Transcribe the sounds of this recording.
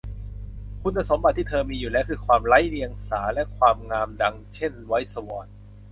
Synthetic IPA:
kʰu˧nːa˧so˩˦mba˨˩t̪ʰːiː˥˩t̪ʰɤː˧miː˧juː˨˩lɛː˦˥wkʰɯː˧kʰwaː˧mɾa˦˥jli˧əŋsaː˩˦lɛ˦˥kʰwaː˧mŋaː˧mda˧ŋt͡ɕʰe˥˩nwa˦˥jsa˧wɔː˨˩n̚

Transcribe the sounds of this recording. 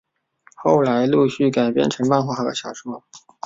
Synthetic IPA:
xo˥˩ʊla˧˥ɪlu˥˧ɕy˥˩ka˨˩ɪpjɛ̰˥˩nʈ͡ʂʰɤ˧˥ŋpa˥˧nxwa˥˩xa˧˥˩d̪ə̰˧˩ɕjɑ˨˩ʊʂ̩˧˥mɔ˥˩

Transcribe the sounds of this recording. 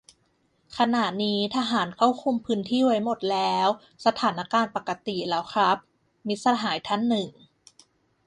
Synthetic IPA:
kʰa˧naː˨˩t̪̚niː˦˥t̪ʰa˧ɦaː˩˦nkʰa˥˩wkʰu˧mpʰɯː˦˥nt̪ʰiː˥˩wa˦˥jmo˨˩t̪̚lɛː˦˥w | sa˧t̪ʰaː˩˦nːʔa˧˥kaː˧npa˨˩ka˧t̪i˨˩lɛː˦˥wkʰɾa˦˥p̚ | mi˦˥sa˧ɦaː˩˦jt̪ʰa˥˩nːɯ˨˩ŋ

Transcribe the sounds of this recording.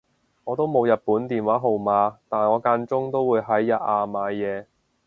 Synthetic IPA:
ŋɔː˨˧t̪o˥wmo˨˧wjɐ˨t̚puː˨˥nt̪iː˨nwaː˨˥ɦo˨˩wmaː˨˧t̪aː˨˩nŋɔː˨˧kaː˧nt͡sʊ˥ŋt̪o˥wuː˨˧jɦɐ˨˥jːɐ˨t̚ʔaː˨˧maː˨˧jɛː˨˧

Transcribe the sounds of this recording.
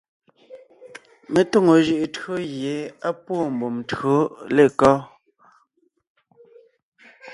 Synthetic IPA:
me˨to˦˨ŋo˨ʒɯ˦ʔto˦ɣje˨˦a˦pwo˦˨m̩˨bo˨mto˦le˦˨kɔ˦

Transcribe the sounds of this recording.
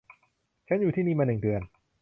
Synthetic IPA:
t͡ɕʰa˦˥njuː˨˩t̪ʰiː˥˩niː˥˩maː˧nɯ˨˩ŋdɯ˧ən

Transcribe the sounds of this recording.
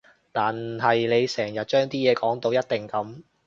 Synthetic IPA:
t̪aː˨nɦɐ˨jle˨˧jsɛː˨˩ŋjɐ˨t̚t͡ʃœː˥ŋt̪iː˥jɛː˨˧kɔː˨˥ŋt̪o˧wjɐ˥t̚t̪ɪ˨ŋkɐ˨˥m

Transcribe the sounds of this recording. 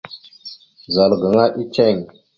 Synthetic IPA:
za˨lɡə˨ŋa˦ʔi˦t͡ʃe˦˨ŋ

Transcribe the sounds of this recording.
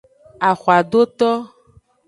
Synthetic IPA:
a˨xa˨ɖ̪o˦t̪ɔ˦

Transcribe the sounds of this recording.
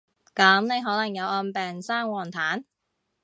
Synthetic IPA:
kɐ˨˥mne˨˧jɦɔː˨˥lɐ˨˩ŋjɐ˨˧wʔɔː˧npɛː˨ŋsaː˥ŋwɔː˨˩nt̪ʰaː˨˥n

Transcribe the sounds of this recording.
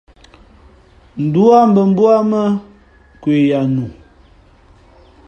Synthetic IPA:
n̩˨du˦a˦m̩˦bə˨m̩˦bu˦a˦mə˦ | kwe˨ja˨nu˨

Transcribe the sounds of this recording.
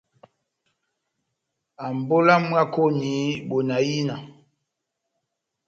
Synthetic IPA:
a˨m˨bo˦la˦m˦ɡa˦ko˦ni˨˦ɓo˨na˨ji˦na˨

